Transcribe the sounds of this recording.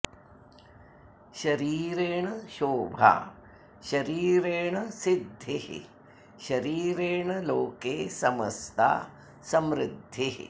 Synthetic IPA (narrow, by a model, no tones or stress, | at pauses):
ʃɐɾiːɾeːɳɐʃoːbʱa̰ | ʃɐɾiːɾeːɳɐsid̪ʱːiɦ | ʃɐɾiːɾeːɳɐloːkeːsɐmɐ̰st̪ʰa̰ː | sɐmɾɪd̪ʱːi